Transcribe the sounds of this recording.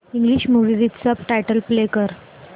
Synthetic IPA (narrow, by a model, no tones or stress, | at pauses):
iŋɡliɕmuʋiʋit̪səpʈajʈəlplekəɾ